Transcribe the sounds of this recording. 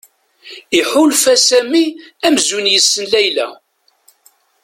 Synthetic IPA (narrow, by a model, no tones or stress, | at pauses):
iħulfæsæmiæmzunjəsːənlæjlæ̰